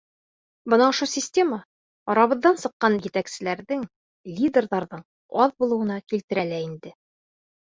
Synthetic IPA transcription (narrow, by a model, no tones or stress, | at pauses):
bɤnɑŏʃɤsʲɪsʲtʲe̞mə | ɒɾɑβɤ̆ðːɑnsɤ̆qːɑnjɘ̆t̪æksɘ̆læɾðɘŋ | lʲid̪ʲerðɑɾðɤɴ | ɒðbulˠɤ̆wɤ̆nɑkilt̪ɘ̆ɾælæind̪ɘ